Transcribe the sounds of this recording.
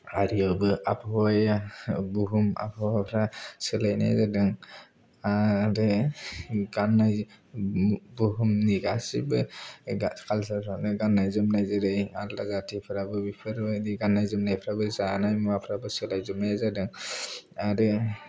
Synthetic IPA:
aɾiabɯa̰pʰjabuɦuma̰pʰaapʰɾasɯlajna̰jzadɯŋ | aɾɯ | ɡanaj | buɦumniɡasibɯakʰalsaanɯɡanːajzɯmnajzɯɾɯjalazatʰipʰɯɾabɯbipʰɯɾbɯdiɡanːajzɯmnajpʰɾabɯsanajmapʰɾabɯsɯlajzɯmnajzadɯŋ | aɾɯ

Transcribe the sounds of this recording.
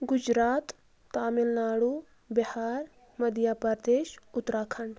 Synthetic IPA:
ɡʊd͡ʒɾaːt̪ː | aːmilnaːɽu | bihaːɾ | mɐd̪ijaːpɐɾd̪eːʃʊt̪ɾaːkʰɐɳɖ

